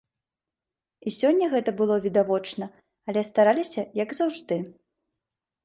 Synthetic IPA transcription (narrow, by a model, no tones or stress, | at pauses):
isʲɔnʲːɐɣɛt̪ɐbɨlˠɔvʲid̪avɔt͡ʂnɐ | ɐlʲɛst̪aɾalʲisʲɐjɐɡzawʐd̪ɨ